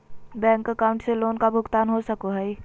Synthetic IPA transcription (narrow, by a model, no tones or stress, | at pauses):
bɛ̃ːŋkəkaːʊ̃ɳʈseloːnkabʱʊɡt̪aːnɦosɐkoɦɛi